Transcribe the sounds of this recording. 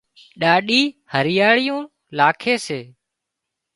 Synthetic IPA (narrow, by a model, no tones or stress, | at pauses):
ɗaːɗiːhəɾɪjaːɭɪjũː | laːkʰeːseː